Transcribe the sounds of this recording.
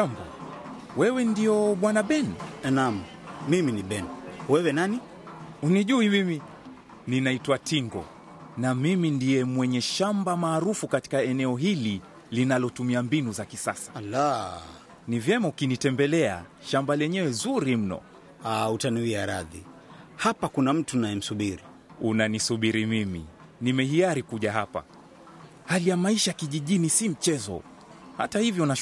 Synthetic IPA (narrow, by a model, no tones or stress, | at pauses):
ʃamba̰ | wɛwɛndiɔɓwanaɓɛnɛnam̩ | miminiɓɛnwɛwɛnani | uniʄuimimi | ninaitwatiŋɡɔ̰ | namimindijɛmwɛɲɛʃambamaːɾufukati̥kaɛnɛɔɦili | linalɔtumiambinuzakisa̰sḁla | nivjɛmaukinitɛmbɛlɛa̰ʃambalɛɲɛwɛzuɾim̩nɔ̰ | autaniwiaɾaðihapakunam̩tunajɛm̩suɓiɾi | unanisuɓiɾimimḭ | nimɛɦijaɾikuʄaɦapa̰ | halijamaiʃakiʄiʄinisim̩t͡ʃɛzɔ̰ | ha̰tahivjɔna